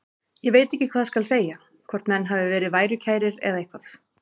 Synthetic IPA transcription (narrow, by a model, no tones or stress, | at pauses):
jɛveːjt̪ɛhcːɪkʰvaːðskalseːja | kʰɔrt̪nmɛnːɦavɪvɛːɾɪðvaːjɾʏcʰaːjɾɪɾɛ̰ðaehkʰvaθ